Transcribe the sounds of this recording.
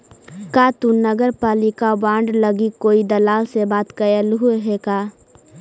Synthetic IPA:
kaːt̪unəɡəɾpaːlɪkabãːɳɖləɡikoːid̪əlaːlsebaːt̪kəjəlɦueɦekaː

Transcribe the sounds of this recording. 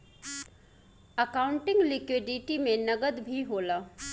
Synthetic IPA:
əkaːʊ̃ɳʈɪ̃ŋɡlɪkwɪɖɪʈimẽnɐɡəd̪bʱiɦoːlaː

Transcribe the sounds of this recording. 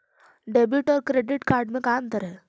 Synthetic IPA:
ɖebjuʈɔɾkɾeɖiʈkaɾɖmẽkamt̪əɾe

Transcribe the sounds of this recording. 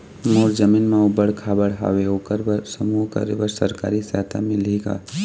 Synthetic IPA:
moːɾd͡ʒəmiːnmaubəɽkʰaːbəɽɦa̰ːweoːkəɾəsəmuɦkə̰ɾebəɾsəɾka̰ːɾisjaːt̪ʰa̰mẽliɡa̰ː

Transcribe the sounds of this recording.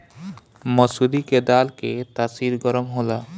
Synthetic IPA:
mɔsud̪iked̪alket̪asiɾɡɔɾomɦola

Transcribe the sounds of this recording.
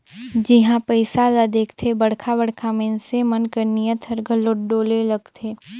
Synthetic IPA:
d͡ʒɪɦãpəɪsalad̪eːkʰt̪ʰebɐɽkʰabəɽ̤kʰamẽnsemənkəɾnijãt̪ʰɐɾɡʱəloːʈɖoːlelɐɡt̪ʰeː

